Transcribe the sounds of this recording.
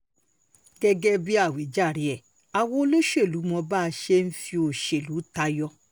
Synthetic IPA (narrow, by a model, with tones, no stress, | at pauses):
ɡɛ˦ɡɛ˦bi˦a˦˨we˨d͡ʒa˦˨ɾi˨˦ɛ˨ | a˨wo˧o˧lo˦ʃe˦˨lu˨˦mɔ̃˧ba˦˧ʃe˦n̩˦fĩ˧o˧˨ʃe˨lu˨˦ta˧jɔ˧